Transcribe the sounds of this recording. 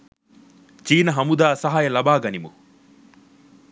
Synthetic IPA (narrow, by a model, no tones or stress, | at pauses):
t͡ʃiːnɐɦɐmud̪aːsɐɦajɐlɐbaːɡɐnimṵ